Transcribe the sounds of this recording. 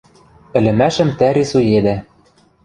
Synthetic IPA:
ɘ̆lɘ̆mæʃɘ̆mt̪æɾisujed̪æ

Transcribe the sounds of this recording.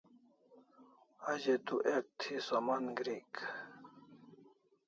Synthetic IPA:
ad͡ʑet̪uʔek̚t̪ʰisamanɡɾik

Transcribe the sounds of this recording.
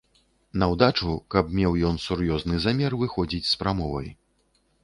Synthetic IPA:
nɐwd̪at͡ʂukɐpmʲɛwjɔnsuɾjɔznɨzamʲɛrvɨxɔd͡zʲit͡sʲspɾamɔvɐ̰j

